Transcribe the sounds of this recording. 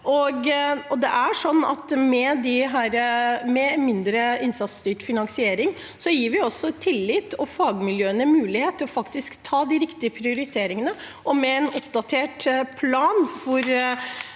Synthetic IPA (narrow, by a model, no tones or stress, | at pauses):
ʔɔɡɔd̪ɛʔæʂɔnːɑ̰t̪mɛd̪ɪɦæːɾəmɛmɪnd̪ɾəɪnsɑt̪st̪yːʈfɪnɑŋsɪeːɾɪŋ | sɔjiːɾʋɪɔsːɔt̪ʰɪlːɪt̪ːɔfɑːɡmɪljøːənəmʉːlɪheːt̪ʰːəɔfɑkt̪ɪskt̪ʰːɑːd̪ɪɾɪkt̪ɪəpʰɾɪʊɾɪt̪ʰeːɾɪŋənə | ʔɔmɛɛnɔpd̪ɑt̪ʰeːʈpʰlɑːnfɔɾ